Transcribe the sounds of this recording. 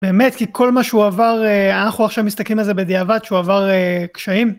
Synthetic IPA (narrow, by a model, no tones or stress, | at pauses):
beːme̞t̪kikʰo̞lmaʃeuavaʁeanaχuaχʃavmist̪aklimalzebed̪iavat̪ʃeuavaʁekʃaim